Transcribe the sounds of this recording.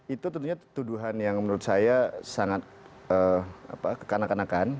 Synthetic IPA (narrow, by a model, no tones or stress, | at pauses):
it̪ut̪ɔnt̪uɲat̪uduɦanjaŋmənuɾʊt̪̚sajasaŋat̪̚əa̰pakə̥kanakanakan